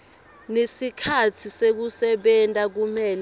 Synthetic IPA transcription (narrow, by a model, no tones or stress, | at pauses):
nesikʰatʰisek̬usɛɓɛntʼak̬umɛːl